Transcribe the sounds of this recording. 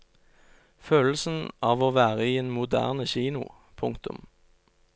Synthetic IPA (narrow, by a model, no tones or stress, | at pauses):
føːll̩sn̩ɑːʋoːʋæːʁəiːeːnmʊd̪æ̰ːʁnəçiːnʊ̰ | pʰʊŋkt̪ʊ̰m